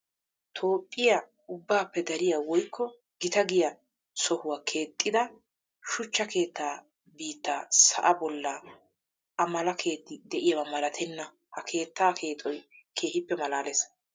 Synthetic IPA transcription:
t̪ʰoːpʼːɪjɐ | ʊbːaːpːɛd̪ɐɾɪjawɔjkːɔ | ɡɪt̪ɐɡɪjɐ | sɔhʊwaːkʰe̞ːt̪ʼːɪd̪ɐ | ʃʊt͡ʃːɐke̞ːt̪ːaː | biːt̪ːaːsɐ̰ʔɐbɔlːɐ | ʔɐmɐlɐkʰe̞ːt̪ːɪd̪ɛʔɪjɐwɐmɐlɐt̪ʰɛnːɐ | hɐkʰe̞ːt̪ːaːkʰe̞ːt̪ʼɔj | kʰe̞ːhɪpːɛmɐlaːlɛs

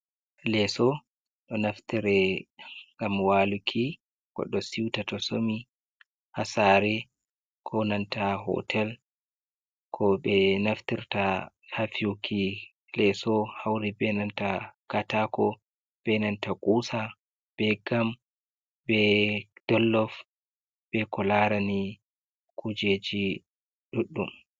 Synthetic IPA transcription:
lɛsɔ | ɗɔnaftiɾɛ | ŋɡamwalukʰi | kɔ̰ɗɔsiwtatɔsomi | hasaɾɛ | kʰɔnantaɦɔ̰tʰɛl | kʰɔbɛnaftiɾta | hafiukʰi | lɛsɔhawɾibɛnantakatakɔ | b̥ɛnantakʼuːsa | b̥ɛɡam | bɛd̥ɔlːɔf | bɛkɔlaɾani | kʰud͡ʒed͡ʒi | ɗuɗːum

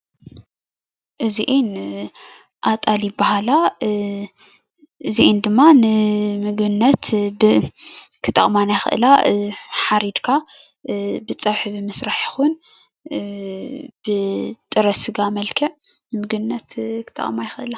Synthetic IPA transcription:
ʔɨziʔen | ʔat̪ʼaljibːahala | ʔɨziʔend̪ɨmːanɨmɨɡbɨnːɐt̪bɨkʰɨt̪ʼːɐ̰χʼmanajxɨ̰ʔɨ̰laħaɾid̪kʰa | bɨt͡sʼɐβħɨβɨmɨsɾaħjɪxun | b̥ɨt̪ʼɨɾɐsɨɡamɐlkʰɐʕnɨmɨɡbnːɐt̪kʰɨ̥t̪ʼɐ̰χʼmajɪxɨʔɨla

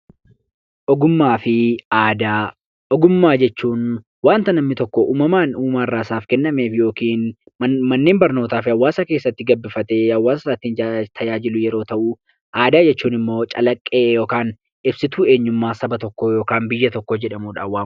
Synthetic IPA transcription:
ʔɔɡʊmːaːfɪaːd̪aː | ɔɡʊmːaːd͡ʒɛt͡ʃːuːn | waːnt̪ɐnɐmnɪt̪ɔkːɔʔuːmɐmaːnuːmaːrːaːsaːfkɛnːɐme̞ːfjo̞ːkiːnmɐnːe̞ːmbɐɾnoːt̪aːfɪɐwːaːsɐke̞ːsːɐt̪ːɪɡɐbːɪfɐt̪eːɐwːaːsɐɐt̪ːɪnd͡ʒt̪ʰɐd͡ʒaːd͡ʒɪlʊjɛɾo̞ːt̪ɐʔuː | ʔaːd̪aːd͡ʒɛt͡ʃːuːnɪmːo̞ːt͡ʃʼɐlɐkʼːeːjo̞ːkaːn | ɪbsɪt̪uːe̞ːɲːʊmːaːsɐbɐt̪ɔkːoːjo̞ːkaːnbɪjːɐt̪ɔkːod͡ʒɛᶑɐmuːᶑa̰ːwaː

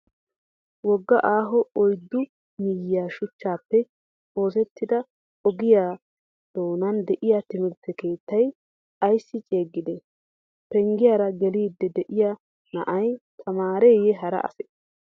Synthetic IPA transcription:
wɔɡːɐʔaːɦɔɔjd̪ːʊ | mɪjːɪjaːʃʊt͡ʃːaːpːɛ | o̞ːs̬ɛt̪ːɪd̪ɐ | ɔɡɪjaː | d̪̥o̞ːnɐnd̪ɛʔɪjat̪ɪmɪɾt̪ːɛke̞ːt̪ːɐj | ɐjsːɪt͡ʃʼeːɡːɪd̪ɛ | pɛŋɡɪjaːɾɐɡɛliːd̪ːɛd̪ɛʔɪja | nɐ̰ʔɐjt̪ʰɐmaːɾeːjɛɦɐɾɐ̰ʔɐ̰sɛ

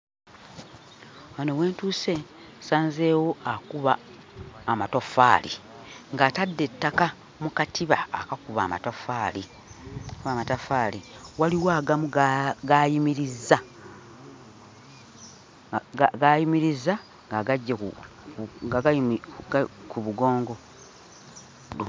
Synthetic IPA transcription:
anowe̞ːntuːse̞ | saːnze̞ːwo̞akuβaː | matofaːlḭ | ŋɡaːtadːe̞tːaka | mukatʰiβa̰a̰kakuβa̰ːma̰tofaːli | kuβaːmatafaːliwaliwaːɡamuɡɡajimiɾizːa | ɡajimiɾiza | ŋɡaɡaɟːaku | ɡaɡajimikuβuɡo̞ːŋɡo̞

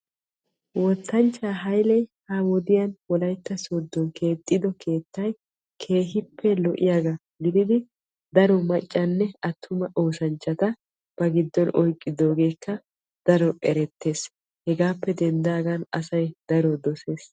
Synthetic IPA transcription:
wɔt̪ʰːɐnt͡ʃʼːaːɦɐjlɛjhawɔd̪ɪjɐnwɔlɐjt̪ːɐsod̪ːɔnkʰe̞ːt̪ʼːɪd̪ɔkʰe̞ːt̪ːɐj | kʰe̞ːɦɪpʰːɛlɔʔɪjaɡa | ɡɪd̪ɪd̪ɪ | d̪ɐɾɔmɐt͡ʃʼːɐnːɛɐt̪ʰːʊmɐʔoːsɐnt͡ʃːɐt̪ɐ | b̥ɐɡɪd̪ːɔnʔɔjkʼːɪd̪o̞ːɡe̞ːkːɐ | d̪̥ɐɾɔʔɛɾɛt̪ːe̞ːs | hɛɡaːpːɛd̪ɛnd̪aːɡɐnɐsɐjd̪ɐɾɔd̪ɔse̞ːs

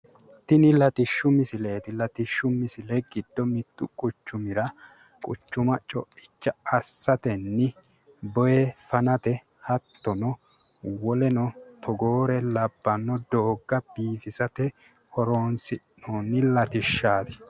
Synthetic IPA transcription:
t̪ɪnɪlɐt̪ɪʃːʊmɪsɪle̞ːt̪ɪlɐt̪ɪʃːʊmɪsɪlɛɡɪd̪̥ːɔmɪt̪ːʊkʼʊt͡ʃːʊmɪɾɐ | kʼʊ̰t͡ʃːʊmɐt͡ʃʼɔɪt͡ʃːɐɐsːɐt̪ɛnːɪ | bɔjɛfɐnɐt̪ɛ | hɐt̪ːɔnɔ | wɔlɛnɔt̪ʰɔɡoːɾɛlɐbːɐnːɔd̪oːɡːɐbiːfɪsɐt̪ɛ | hɔɾoːnsɪnːoːnːɪlɐt̪ɪʃːaːt̪ɪ̥

